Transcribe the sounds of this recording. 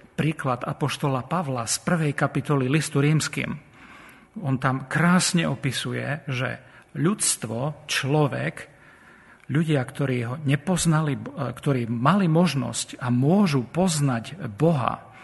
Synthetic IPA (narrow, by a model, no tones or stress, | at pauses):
pɾiːklad̪a̰pɔʃt̪ɔlapaʋlaspr̩ʋɛjkapit̪ɔlilist̪uɾiːmskḭːm | ɔnt̪amkɾaːsɲɛɔpisujɛ̰ʒɛ̰ | ʎust̪ʋɔt͡ʃlɔʋɛ̰k | ʎuɟɪakt̪ɔɾiːɦɔɲɛpɔznalikt̪ɔɾiːmalimɔʒnɔ̰scamʊɔʒupɔznaɟbɔɦa̰